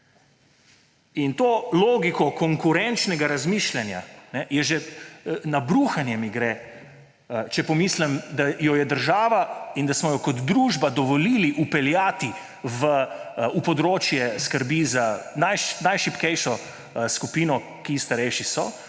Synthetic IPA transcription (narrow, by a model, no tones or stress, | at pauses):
int̪oːloːɡikɔkɔŋkuɾɛnt͡ʃnɛɡaɾazmiːʃlanja̰nɛjɛʒɛnabɾuːxanjɛmiɡɾɛː | t͡ʃɛpɔmiːslɛmd̪ajɔjɛd̪əɾʒaːʋaind̪asmɔjɔkɔd̪d̪ɾuʒbad̪ɔʋɔliːliʔupɛljaːt̪i | ʋəupɔd̪ɾoːt͡ʃjɛskəɾbizanajʃnajʃipkɛjʃɔ | skupiːnɔ | kist̪aɾɛjʃisɔ